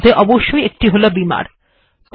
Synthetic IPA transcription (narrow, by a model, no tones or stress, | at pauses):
d̪ʱeʔɔboʃːojek̚ʈiɦolobima̰ɾ | k